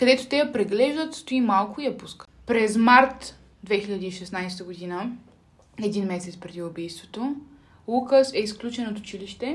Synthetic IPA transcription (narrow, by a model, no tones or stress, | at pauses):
kɐd̪ɛt̪o̥t̪ɛjɐpɾɛɡlɛʒd̪ət̪st̪oimalˠkʊijɐpuskə | pɾɛzmaɾt̪ | d̪vɛxilʲɐd̪iːʃɛsnajst̪əɡod̪inə | ɛd̪inmɛsɛt̪spɾɛd̪iʊbijst̪vot̪o | lˠukəsɛisklʲut͡ʃɛnot̪ʊ̥t͡ʃiliʃt̪ɛ